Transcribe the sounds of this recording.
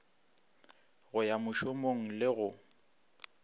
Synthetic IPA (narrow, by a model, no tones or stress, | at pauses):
ɣʊjamʊʃʊmoŋ̩lɪɣʊ